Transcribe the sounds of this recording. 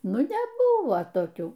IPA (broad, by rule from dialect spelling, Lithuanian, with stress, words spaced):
ˈnʊ nʲɛˈbʊʋoː toːˈkʲuː